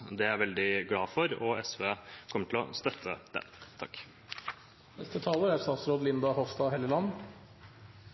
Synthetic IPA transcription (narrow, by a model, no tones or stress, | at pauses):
d̪ɛæɾʋɛld̪ɪɡlɑːfɔɾɔɛsʋeːkʰɔmːəʈʰɪl̩ɔ̰st̪œt̪ʰːə̰d̪̥ɛ̰nt̪ʰɑkː | nɛst̪ət̪ʰɑːləɾæɾst̪ɑːt̪sɾoːd̪lɪnd̪ɑhɔfst̪ɑɦɛləlɑnː